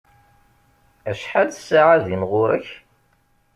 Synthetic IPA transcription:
æʃħalsːaʕaðimʁʊɾəç

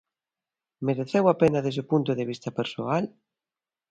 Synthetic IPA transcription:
meɾeθewapenaðezopunt̪ʊðeβist̪ɐpeɾsoal

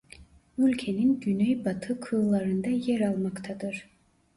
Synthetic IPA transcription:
ylʲcʰeninɟynejbat̪ʰɯkʰɯlˠaɾɯnd̪ɑjɛɾɑlˠmakt̪ʰad̪ɯɾ̥

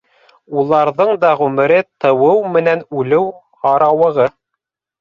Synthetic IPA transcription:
ulˠɑɾðɤɴd̪ɑʁʉmɘ̆ɾɘt̪ɤ̆wɤwmɘ̆nænʉlɘw | hɑɾɑwɤ̆ʁɤ

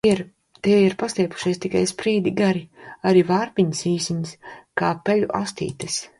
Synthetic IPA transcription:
iɾ | t̪iɛiɾpast̪ʲiɛpu̥ʃijst̪ikajspɾiːd̪iɡaɾiaɾiːvaːɾpiɲisiːsiɲiskaːpɛlʲuʔa̰st̪ḭːt̪ɨs

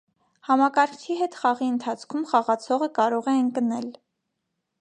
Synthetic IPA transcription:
hɑmɑkɑɾkʰiɦɛt̪χɑʁiənt̪ʰɑt͡sʰkʰumχɑʁɑt͡sʰɔʁəkɑɾɔʁɛəŋkənɛl

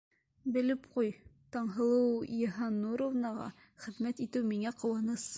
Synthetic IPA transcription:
bɘ̆lɘpqujt̪ɒɴɦɤ̆lˠɤwjɦɑnuɾovnɑʁɑ̰ | χɘ̆ðmæt̪it̪ɘwmiŋæqŏwɑnɤs

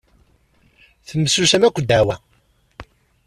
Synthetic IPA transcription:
θəmːəsusæmækʷːəd̪æwæ

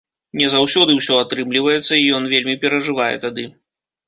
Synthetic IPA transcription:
nʲɛzawsʲɔd̪ɨwsʲɔat̪ɾɨmlʲivɐjɛt̪sːɐijɔnvʲelʲmʲipʲɛɾɐʐɨvajɛ̰t̪ad̪ɨ

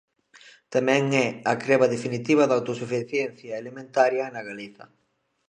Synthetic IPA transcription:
t̪amɛ̃ŋɛakɾeβaðefinit̪iβaðawt̪osufiθjɛn̟θjaelemẽnt̪aɾjanaɣaliθɐ̰

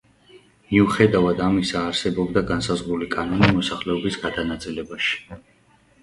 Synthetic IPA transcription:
miuχɛd̪avad̪amisaːɾsɛbɔbd̪aɡansazʁɾulikʼanɔnimɔsaχlɛɔbisɡad̪anat̪sʼilɛbaʃi̥

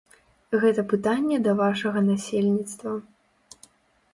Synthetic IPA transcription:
ɣɛt̪ɐpɨt̪anʲːɛd̪ɐvaʂɐɣɐnasʲelʲnʲit̪st̪vɐ

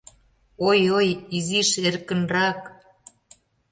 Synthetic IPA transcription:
ojojiziʃerkə̆nrɑk

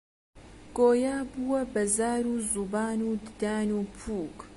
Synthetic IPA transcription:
ɡ̥oːjaːbuwɐbɐzaːɾuːzubaːnud̪ɨd̪aːnuːpʰuːk

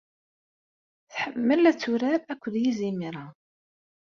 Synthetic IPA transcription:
θħəmːəlæt͡sːuɾaɾækʷːəðjizimiɾˤa

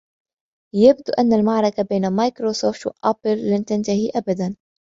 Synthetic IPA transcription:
jab̚d̪uːʔanːalmaʕɾˤɑkabeːnamajkɾosoːft̪wa̰ʔapɪlːant̪ant̪ahiʔabad̪an

